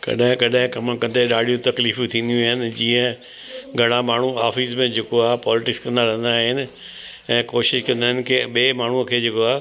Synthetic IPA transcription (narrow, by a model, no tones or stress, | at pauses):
kɐ̰ɗaɦɪ̃kɐɗaɦɪ̃kɐmkɐ̃nd̪eɗaːɽʱijũt̪ɐkliːfũt̪ʰĩːn̆d̪ijũaːɦɪnɪ̆d͡ʑĩːə̃ | ɡʱɐɽ̃amaːɳ̤uaːfiːsmẽd͡ʑʱeːkoaːepɔːlɪʈɪkskɐ̃nd̪aɾɐɦə̃n̆d̪aːɦɪnɪ̆ | ɛ̃ːkoːʃɪʃkɐ̃nd̪aɦɪ̃nɪ̆kʰeɓeːmaːɳ̤uəkʰeːd͡ʑeːkoaː